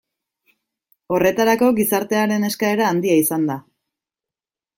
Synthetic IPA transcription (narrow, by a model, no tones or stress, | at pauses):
o̞re̞t̪aɾako̞ɡisaɾt̪e̞aɾe̞ne̞skae̞ɾaːnd̪iaisand̪a